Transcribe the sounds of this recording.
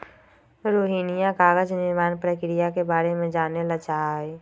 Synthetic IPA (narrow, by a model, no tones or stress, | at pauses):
ɾoːɦiːnɪjakaːɡəd͡ʒnɪɾmaːnpɾəkɪɾijakebaːɾemẽd͡ʒaːneləɡt͡ʃaːe